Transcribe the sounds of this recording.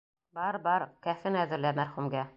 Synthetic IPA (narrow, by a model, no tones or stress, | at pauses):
bɑɾbɑɾkæfɘnæðɘ̆ɾlæmæɾχumɡæ